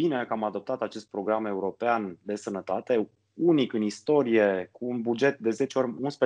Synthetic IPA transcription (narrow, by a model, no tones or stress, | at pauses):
inekamad̪o̞p̚t̪at̪at͡ʃe̞st̪̚pɾo̞ɡɾame̞uɾo̞peand̪e̞sənət̪at̪e̞ | unikɨnist̪o̞ɾije̞kuːnbud͡ʒe̞t̪̚d̪e̞ze̞t͡ʃeo̞rʲunspɾə